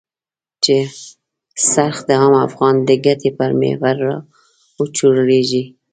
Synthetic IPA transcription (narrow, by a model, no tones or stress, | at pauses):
t͡ʃe | saɾxd̪əɑmafɣɑnd̪əɡat̪epaɾmḛhwaɾːɑ | wət͡ʃuɽɾeʒi